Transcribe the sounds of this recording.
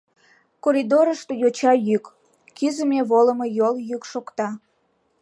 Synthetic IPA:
koɾid̪oɾəʃt̪ojot͡ɕɑjyk | kyzəmeβoləmojoljykʃokt̪ɑ

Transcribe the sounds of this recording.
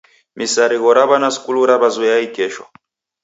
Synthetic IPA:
misaɾiɣɔɾaβanasu̥kuluɾaβazujaikɛʃwa̰

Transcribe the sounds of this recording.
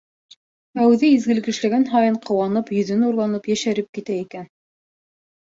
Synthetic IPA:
æwʉðɘizɡɘ̆lkɘ̆ʃlæɡænɦɑjɤɴqʰɤ̆wɑnɤpjɵ̆ðɘ̆nuɾlˠɑnɤpjæʃæɾɘp̚kit̪æikæn

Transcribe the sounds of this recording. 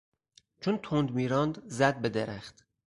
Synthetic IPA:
t͡ʃʰont̪ʰond̪miːɾɒnd̪zæd̪̚bed̪eɾæχt̪

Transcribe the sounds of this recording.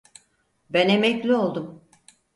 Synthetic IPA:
bænemɛclʲio̞lˠd̪um

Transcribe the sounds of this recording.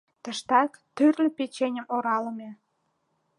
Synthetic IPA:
t̪əʃt̪ɑkt̪yrlʲepet͡ɕenʲəmoɾɑləme

